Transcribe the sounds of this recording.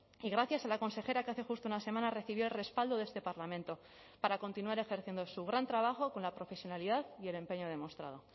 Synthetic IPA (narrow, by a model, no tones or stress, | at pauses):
iɣɾaθjasalako̞nse̞xe̞ɾakeaθe̞xust̪ounase̞mãnare̞θiβjoelre̞spald̪oðe̞st̪e̞paɾlamẽ̞nt̪o̞ | paɾako̞nt̪inuaɾe̞xe̞ɾθjend̪o̞suɣ̞ɾant̪ɾaβaxo̞ko̞nlapɾo̞fe̞sjo̞naliðaðie̞le̞mpe̞ɲoð̞e̞mo̞st̪ɾa̰ð̞o̞